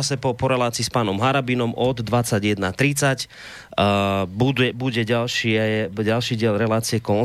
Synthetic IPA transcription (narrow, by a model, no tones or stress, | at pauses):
asɛpɔpɔɾɛlaːt͡siːspaːnɔmɦaɾabinɔmʔɔd̪ːʋat͡saɟjɛd̪nat̪ɾit͡sac | bud̪ɛbuɟɛɟalʃiːajɟalʃiːɟɪɛlɾɛlaːt͡siɛkɔn